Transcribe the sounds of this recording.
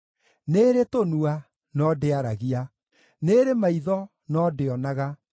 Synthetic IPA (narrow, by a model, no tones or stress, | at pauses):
neːɾetonua | nɔdeaɾaɣia | neɾemaiðɔ | nɔdeɔnaɣa